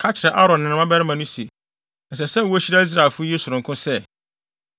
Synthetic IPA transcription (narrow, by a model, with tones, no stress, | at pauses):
kʰa˦t͡ɕʰɪ˨ɾɛ˨ʔa˦ɾɔ̃˨nː˨ɪ̃˨ñ˨˦ã˦bɛ˦ɾɪ˦mã˨nʊ̃˦si˨ | n̩˨s̬ɛ˨sɛ˦˨wɔ˦ɕi˦ɾa˦zɾa˨fʊ˦je˦sʊ˨ɾʊ̃˨ŋkʰʊ̃˦sɛ˦